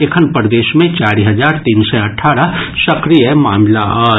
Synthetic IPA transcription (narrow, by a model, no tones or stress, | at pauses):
ekʰənpɾd̪eːʃmẽt͡ʃaːɾiɦɐzaːɾt̪iːnsɛɐʈʰːaːɾasɐkɾijəmaːmlaaː